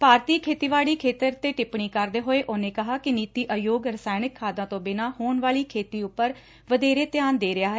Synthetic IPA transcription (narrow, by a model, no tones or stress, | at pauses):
paːɾt̪iːkʰeːt̪iːʋaːɭiːkʰeːt̪əɾt̪eːʈɪpɳiːkəɾd̪eːɦoːeːʔoːnẽːkəɦaːkɪniːt̪iːʔəjoːɡɾəsaːjnɪkʰːaːd̪ãːt̪õːbɪnaːhoːɳʋaːɭiːkʰeːt̪iːʊpːəɾ | ʋəd̪eːɾeːt̪jaːnd̪eːɾɪaːɦɛː